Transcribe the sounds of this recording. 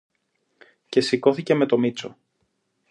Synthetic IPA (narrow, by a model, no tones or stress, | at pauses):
ce̞siko̞θice̞me̞t̪o̞mit͡so̞̰